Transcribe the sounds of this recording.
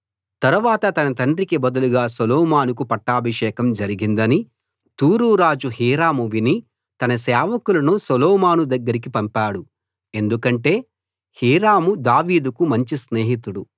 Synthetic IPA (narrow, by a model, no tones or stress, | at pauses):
t̪ɐɾuʋaːt̪ɐt̪ɐnɐt̪ɐɳɖɾikibɐd̪uluɡaːsɔlɔːmaːnuk̬upɐʈːaːbʱɐʂɛːkɐmd͡ʒɐɾiɡind̪ɐni | t̪uːɾuːɾaːd͡ʒuɦiːɾaːmuʋini | t̪ɐnɐsɛːʋɐkulɐnusɔlɔːmaːnud̪ɐɡːɐɾik̬ipɐmpaːɽu | e̞nd̪ukɐɳʈe̞ː | hiːɾaːmud̪aːʋiːd̪ukumɐɲt͡ʃisneːɦit̪uɽu